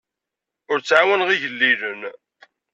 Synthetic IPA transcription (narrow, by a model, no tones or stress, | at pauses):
ʊɾt͡sːʕawənʁiʝəlːilən